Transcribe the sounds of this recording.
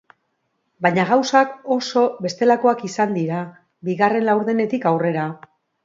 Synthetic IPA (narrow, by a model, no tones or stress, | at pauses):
bajɲaɣawsako̞so̞be̞st̪e̞lako̞akisand̪iɾa | biɣare̞nlawɾðe̞ne̞t̪ikawre̞ɾa